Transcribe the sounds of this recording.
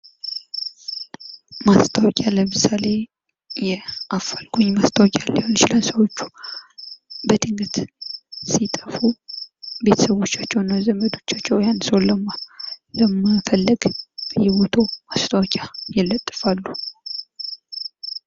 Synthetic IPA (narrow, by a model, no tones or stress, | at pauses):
mast̪ʰəwɔkʼjaləmɨsale̞ | jɛʔafəlɡoɲmast̪ʰəwɔkʼjalːihont͡ʃilənsəwo̞t͡ʃːu̥ | bət̪ɨŋɡɨt̪ | sit̪ʼəfu | be̞t̪ʰə̥səβo̞t͡ʃːat͡ʃːɛwnːazəməd̪o̞t͡ʃːat͡ʃːɛwjansəwləmaləmɨfəlːɨɡjɛbot̪ʰomast̪ʰəwɔkʼajɛlːət̪ʼːɨfalːu